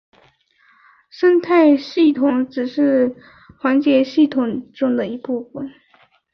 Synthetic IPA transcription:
ʂə˥nt̪ʰa˥˧ɪɕi˥˩t̪ʰʊ˨˩ŋʈ͡ʂɻ̩˨˩ʂɻ̩˥˩ | xwa˧˥nt͡ɕjɛ˧˥ɕi˥˩t̪ʰʊ˨˩ŋʈ͡ʂʊ˥ŋd̪ə˨i˧˥pu˥˩fə˨˩n

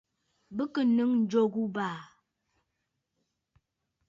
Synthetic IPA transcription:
bə˦kə˨nɨ˦ŋn̩˨d͡ʒo˦˨ɡu˦baː˨

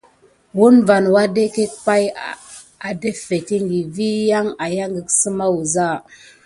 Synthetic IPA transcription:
wu˦nva˨nwa˦de˦ke˦k̚pa˦j | a˨de˦fe˨ti˦ŋɡi˨vi˦ja˦ŋa˨ja˦ŋɡə˨ksə˦ma˦wu˨za˦˨

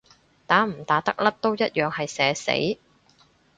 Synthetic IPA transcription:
t̪aː˨˥m̩˨˩t̪aː˨˥t̪ɐ˥k̚lɐ˥p̚t̪o˥wjɐ˥t̚jœː˨ŋhɐ˨jsɛː˨˧sḛ˨˥j

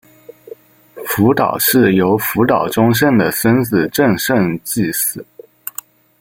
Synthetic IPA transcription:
fu˧˥t̪ɑ̰˨˩ʊʂɻ̩˥˩jo˧˥ʊfu˧˥t̪ɑ˨˩ʊʈ͡ʂʊ˥ŋʂ̬ə˥˩nd̪ə˩sə˥nt͡sɹ̩˨˩ʈ͡ʂə˥˧ŋʂə˥˧ŋt͡ɕi˥˩sɹ̩˨˩˦

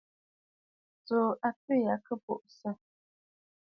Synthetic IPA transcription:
t͡so˨ʔa˨pə˦ja˨˦kə˦˨po̰˨ʔsə˦

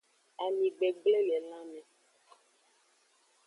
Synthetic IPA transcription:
a˨mĩ˨ɡ͡be˨ɡ͡ble˦lɛ˨lã˦mɛ̃˨

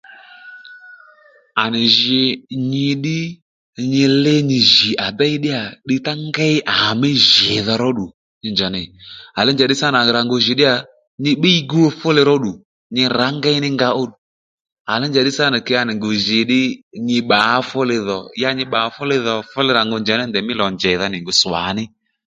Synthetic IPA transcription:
a˨nɪ˨ʒɪ˧ɲɪ˧ɗɪ˦ | ɲɪ˧lɪ˧ɲɪ˧ʒi˨ʔa˨ba˦ɪ˦ɗɪ˦a˨ɗɪ˧ta˦ŋɡa˦ɪ˦ʔa˨mɪ˦ʒɪ˨ðɔ˧ɾɔ˦ɗu˨ | ɲɪ˧˨nd͡ʒa˨nɪ˨a˨lɪ˦nd͡ʒa˨ɗɪ˦sa˦n˨a˨ɾa˨ŋɡo˧ʒɪ˨ɗɪ˦a˨ | ɲɪ˧ɓi˦i˦ɡu˦o˧fʊ˦lɪ˧ɾɔ˦ɗu˨ | ɲɪ˧ɾa˨˦ŋɡɛ˦ɪ˦nɪ˦ŋɡa˧o˦ɗu˨ | a˨lɪ˦nd͡ʒa˨ɗɪ˦sa˦nɪ˨kɛ˧ja˧nɪ˨ŋɡo˨ʒɪ˨ɗɪ˦ɲɪ˧ɓa˨˦fʊ˦lɪ˧ðɔ˨ja˧ɲɪ˧ɓa˨˧fʊ˦lɪ˧ðɔ˨fʊ˦lɪ˧ɾa˨ŋɡo˧nd͡ʒa˨nɪ˦ndɛ˨mɪ˦lɔ˨nd͡ʒɛ˨ða˧nɪ˨ŋɡʊ˧sa̰˨˦nɪ˦

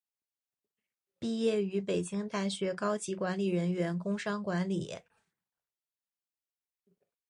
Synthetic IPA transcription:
pi˥˧jɛ˥˩y˧˥pe˨˩ɪt͡ɕi˥ŋt̪a˥˩ɕɥɛ˧˥kɑ˥ʊt͡ɕi˧˥kwa˧˥nli˨˩ɻə˧˥nɥɛ˧˥nkʊ˥ŋʂɑ˥ŋkwa˧˥nli˨˩˦

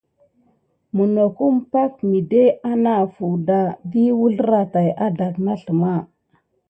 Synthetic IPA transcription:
mu˨no˨ku˦m˦pa˦k̚mi˨de˦a˦na˨fu˨da˨di˦wu˦ɮɾa˨ta˨ja˦da˨kna˦ɬə˨ma˦˨

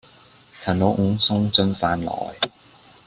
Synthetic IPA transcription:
sʰɐ˨˩nlo˨˥wŋ̩˨˧˥ŋsʊ˥ŋt͡sɵ˥nfaː˨˥nlɔ̰ː˨j

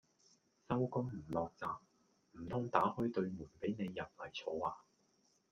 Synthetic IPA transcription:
sɐ˥wkɔː˥ŋm̩˨˩lɔː˨k̚t͡saː˧p̚ | m̩˨˩t̪ʰɔː˥ŋt̪aː˨˥hɵ˥ɥt̪ɵ˧ɥmuː˨˩npe˨˥jne˨˧jːɐ˨p̚lɐ˨˩jt͡sʰɔː˨˥aː˨˩

